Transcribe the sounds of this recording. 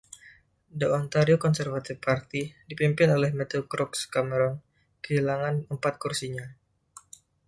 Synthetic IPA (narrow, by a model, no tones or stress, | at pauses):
doɔnt̪aɾiokɔnsɛrvat̪ɪfpart̪idipimpɪnolɛhmɛt̪ukɾɔkskaməɾɔn | kəɦilaŋanəmpat̪̚kursiɲa